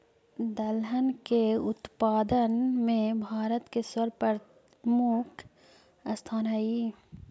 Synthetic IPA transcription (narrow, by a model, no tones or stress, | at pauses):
d̪ɐlɦənkeʊt̪paːd̪ənmẽbʱaːɾət̪kesɐɾpɐɾ | mukʰ | ɐst̪ʰaːnɦɐi